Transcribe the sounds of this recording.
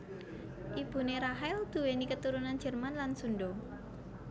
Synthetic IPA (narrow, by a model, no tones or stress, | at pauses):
ʔib̥ṳneɾaɦɛld̪̥ṳwenikət̪uɾunan̥d͡ʒ̥ə̤rmanlansunɖo